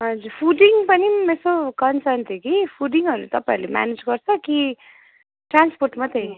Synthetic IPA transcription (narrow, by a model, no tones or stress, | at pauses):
ɦʌd͡zuɾpʰuɖiŋpʌnimesokʌnsʌnt̪ʰekipʰuɖiŋɦʌɾut̪ʌpãɾlema̰ned͡zɡʌrt͡sʰʌki | ʈransporʈmat̪ʰe